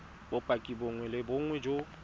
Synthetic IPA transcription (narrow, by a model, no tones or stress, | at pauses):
bʊpʼakʼiboŋwɛlɪbʊŋwɛd͡ʒo